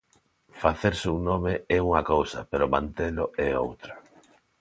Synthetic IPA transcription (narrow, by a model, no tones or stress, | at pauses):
faθeɾseuŋnomeɛuŋɐkowsɐpeɾomã̰nt̪eloɛo̰wt̪ɾa